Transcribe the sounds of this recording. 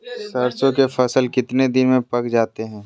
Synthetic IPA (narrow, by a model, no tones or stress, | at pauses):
sɐɾt͡ʃõkefɐsəlkɪt̪ned̪ɪnmẽpɐkd͡ʒaːt̪eɦɛ̃ː